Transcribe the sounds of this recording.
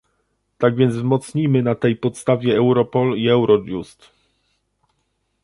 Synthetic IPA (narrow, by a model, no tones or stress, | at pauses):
t̪aɡvʲjɛnzvzmɔt̪sɲimɘnat̪ɛjpɔt̪st̪avʲjɛɛwɾɔpɔliɛwɾɔd͡ʒṵst̪